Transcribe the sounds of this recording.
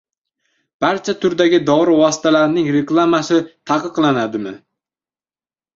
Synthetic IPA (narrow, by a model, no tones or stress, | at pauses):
b̥aɾt͡ʃʰat̪ʰʊɾd̪aɡʲɪd̪ɒɾɪvɒsɪ̥t̪ʰalaɾnɪŋɾe̞klˠamasɪt̪ʰɑqɨqlˠanad̪ɪmɪ